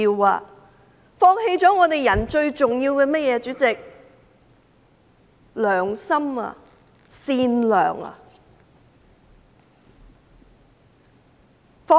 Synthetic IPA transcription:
i˧wa̰ː˧ | fɔː˧ŋɦhe˥˧jt͡sɔː˨˥ŋɔː˨˧t̪e˨˩jɐ˨˩nt͡ʃɵ˧ɥt͡sʊ˨ŋjiː˧wkɛː˧mɐ˥jɛː˨˧t͡ʃyː˨˥t͡sɪ˨k̚ | lœː˨˩ŋsɐ˥ma̰ː˧˨ | siː˧nlœ̰ː˨˩ŋɐ̰˧ | fɔː˧˥

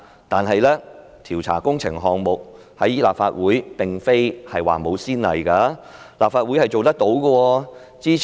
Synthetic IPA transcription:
t̪aː˨nɦɐ˨jlɛː˥ | t̪ʰiː˨˩wt͡sʰa̰ː˨˩kʊ˥ŋt͡sʰɪ̰˨˩ŋɦɔː˨˧ŋmʊ˨k̚ | hɐ̰˨˥jiː˥laː˨p̚faː˧t̚wuː˨˥jpɪ˨ŋfe˥jhɐ˨jwa̰ː˨mo˨˧wsiː˥nlɐ̰˨˩jkaː˧ | laː˨pfaː˧t̚wu˨˥jhɐ˨jt͡so˨wt̪ɐ˥k̚t̪o˨˥wkɔ˧wɔː˧ | t͡siː˥

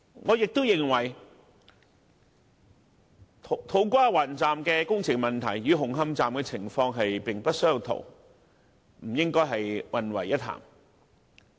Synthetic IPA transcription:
ŋɔː˨˧jɪ˨k̚t̪o˥wjɪ˨ŋwɐ˨˩j | t̪ʰt̪ʰo˨˥wkʷaː˥waː˨˩nt͡saː˨mkɛː˧kʊ˥ŋt͡sʰɪ˨˩k̚mɐ˨nt̪ʰɐ˨˩jyː˨˧ɦʊ˨˩ŋɦɐ˧mt͡saː˨mkɛ˧t͡sʰɪ˨˩ŋfɔː˧ŋɦɐ˨jpɪ˨ŋpɐ˥t̚sɵ˥ji˧wt̪ʰo̰˨˩w | m̩˨˩jɪ˥ŋkɔː˥jɦɐ˨jwɐ˨nwɐ̰˨˩jɐ˥t̚ʰːa̰ː˨˩m

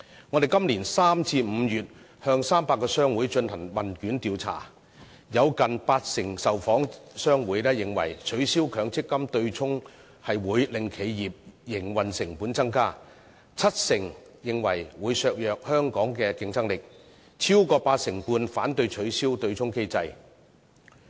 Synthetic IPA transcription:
ŋɔ˨˧e˨jkɐ˥mliː˨˩nsaː˥mt͡sʰiː˧m̩˨˧jyː˨t̚ | hœː˧ŋsaː˥mpaː˧kːɔː˧sœː˥ŋwuː˨˥jt͡ʃɵ˧nhɐ˨˩ŋwɐ˨˩nkyː˨˥nt̪iː˨˧wt͡sʰa̰ː˨˩ | jɐ˨˧wkɐ˨npaː˧t̚sɪ˨˩ŋsɐ˨wfɔː˨˥ŋsœː˥ŋwuː˨˥jlɛː˥jɪ˨˩ŋwɐ̰˨˩jt͡ʃʰɵ˨˥ɥsiː˥wkʰœː˨˧ŋt͡sɪ˥kːɐ˥mt̪ɵ˧ɥt͡sʰʊ˥ŋ | hɐ˨jwuː˨˧jlɪ˨ŋkʰe˨˧jjiː˨p̚jɪ˨˩ŋwɐ˨nsɪ˨˩ŋpuː˨˥nt͡sɐ˥ŋkaː˥ | t͡sʰɐ˥t̚sɪ˨˩ŋ | jɪ˨˩ŋwɐ˨˩jwuː˨˧jsœː˧k̚jœː˨k̚hœː˥ŋkɔː˨˥ŋkɛː˧kɪ˧ŋt͡sɐ˥ŋlɪ˨k̚ | t͡sʰiː˥wkɔː˧paː˧t̚sɪ˨˩ŋpuː˧nfaː˨˥nt̪ɵ˧ɥt͡ʃʰɵ˨˥ɥsiː˥wt̪ɵ˧ɥt͡sʰʊ˥ŋke˥jt͡sɐ˧j

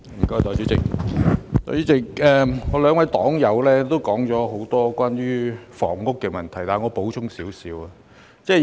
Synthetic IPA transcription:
m̩˨˩kɔː˥jt̪ɔː˧˩t͡ʃy˨˥t͡sɪ˨k̚t̪ɔː˧jyː˨˥t͡sɪ˨k̚ɛː˨˩ŋɔː˨˧lœː˨˧ŋwɐ˧˥jt̪ɔː˨˥ŋjɐ˨˧wlɛː˥t̪o˥wkɔː˨˥ŋt͡ʃɔː˨˥ɦo˨˥wt̪ɔː˥kʷwʷaː˥njyː˥fɔ̰ː˨˩ŋːʊ˥kːɛː˧mɐ˨˩nt̪ʰɐ˨˩jt̪aː˨jŋɔː˨˧po˨˥wt͡ʃʰʊ˥ŋsiː˨˥wsiː˨˥wɐ˨˧ | t͡sɛː˥˩

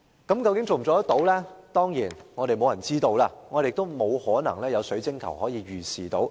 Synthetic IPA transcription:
kɐ˨˥mkɐ˧wkɪ˨˥ŋt͡so˨m̩˨˩ɔː˨˥jɐ˥t̪o˨˥wlɛː˥t̪ɔː˥ŋjiː˨˩nŋɔː˨˧ɾe˨jmo˨˧wjɐ˨˩nt͡siː˥t̪o˧wlaː˧ŋɔː˨˧e˨ɪ˨kt̪o˥wmo˨˧whɔː˨˥nɐ̰˨˩ŋlɛː˥jɐ˨˧wsɵ˨˥ɥt͡sɪ˥ŋkʰɐ˨˩whɔː˨˥jiː˨˧ɥyː˨˩siː˨˩t̪o˨˥w

